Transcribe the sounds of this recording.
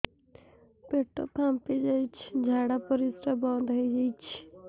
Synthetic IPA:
peʈo̰pʰãːmped͡ʒait͡ʃʰd͡ʒʱaːɽaːpəɾisɾabãːnd̪ɦoid͡ʒait͡ʃʰ

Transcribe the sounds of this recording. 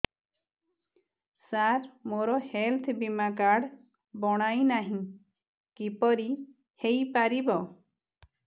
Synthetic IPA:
saɾmoɾɔhelt̪ʰbimakaɽ | bɔɽ̃ajnaɦĩ | kipɔɾi | hejpaɾibɔ

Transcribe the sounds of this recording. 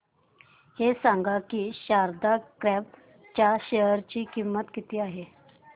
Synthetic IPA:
hesaŋɡakiːɕaɾd̪akɾɛb̚ | t͡ɕjaɕeɦəɾt͡ɕiːkimːət̪kit̪iːaɦe

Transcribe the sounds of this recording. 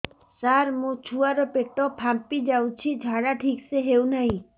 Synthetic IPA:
saɾmũt͡ʃʰuaɾɔpeʈɔpʰampid͡ʒawt͡ʃʰid͡ʒʱaɽaʈʰikseɦewnaɦĩ

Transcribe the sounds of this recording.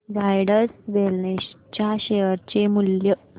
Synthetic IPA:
ɾajɽəɾsʋelneɕt͡ɕjaɕejəɾt͡ɕemuljə

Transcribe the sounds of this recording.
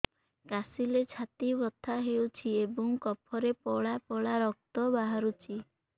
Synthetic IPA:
kasilet͡ʃʰat̪ibɔt̪ʰːaɦewt͡ʃʰiebɔŋkɔpʰɔɾepɔɭapɔɭaɾɔk̚t̪ɔbaɦaɾut͡ʃʰi

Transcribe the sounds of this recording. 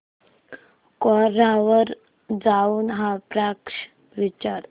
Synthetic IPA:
kɔɾaʋəɾ | d͡zauːnɦapɾakʂ | ʋit͡ɕaɾ

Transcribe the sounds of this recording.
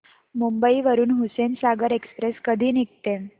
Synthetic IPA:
mumbəiʋəɾuːnɦusensaɡəɾekspɾeskəd̪ʱiːnik̚t̪ẽ

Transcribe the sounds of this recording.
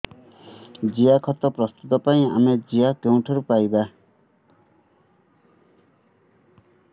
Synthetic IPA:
d͡zijakʰʌt̪ːʌprʌst̪ut̪ʌpaĩa̰med͡zijakew̃ʈʰʌɾupajba

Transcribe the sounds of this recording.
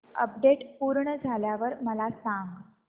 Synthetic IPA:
ə̰p̚ɖeʈpuːɾɳəd͡zʱaljaʋəɾməlasãŋɡ

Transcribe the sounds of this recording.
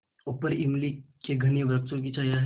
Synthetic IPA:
opəɾimlikeɡʱəñiəʋɾəkt̪ok̬it͡ɕajaɦ

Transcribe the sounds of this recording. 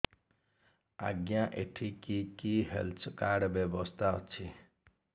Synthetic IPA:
a̰ɡjãʔeʈʰikikiɦḛlt̪ʰkaɽbjebɔst̪ʰa̰t͡sʰi

